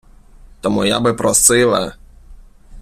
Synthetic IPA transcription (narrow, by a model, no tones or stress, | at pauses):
t̪ɔmuja̰bɘpɾɔsɨlɛ̰